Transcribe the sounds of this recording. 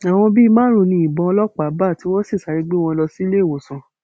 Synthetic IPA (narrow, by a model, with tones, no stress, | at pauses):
a˨w̃ɔ̃˧bi˦˧mãː˦ɾ̃ũ˧˨nĩ˧i˨bɔ̃˧lɔ˦k͡pa˨˦ba˦˨ti˨˦w̃ɔ̃˦si˦˨sa˨˦ɾi˧ɡ͡be˦w̃ɔ̃˧lɔ˧si˦le˦˨wo˨sã˨